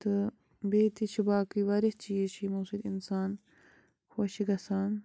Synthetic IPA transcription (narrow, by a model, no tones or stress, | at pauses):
t̪ɨ | beːt̪iʃʰibaːkiʋɐɾist͡ɕijeɕʰimusid̪ḭnsaːn | xɐɕiɡɐsaːn